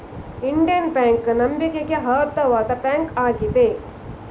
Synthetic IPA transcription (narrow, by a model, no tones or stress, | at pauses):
iɳɖijɐnpaːŋknɐmbikeɡeɦɐːt̪ːɐʋaːd̪ɐpaːŋkaːɡid̪e